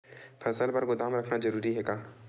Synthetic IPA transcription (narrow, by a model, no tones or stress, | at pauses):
pʰɐsəlpɐɾɡʊd̪aːmɾɐkʰnad͡ʒɐɾuːɾiɦɛkaː